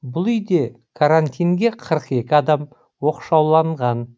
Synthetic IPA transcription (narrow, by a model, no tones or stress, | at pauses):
bʊlˠʏjd̪e̞ | kʰaɾant̪ijŋɡʲe̞qʰəɾəqe̞kʲɪɑd̪ɑm | wo̞qʃɑwlˠɑɴʁɑn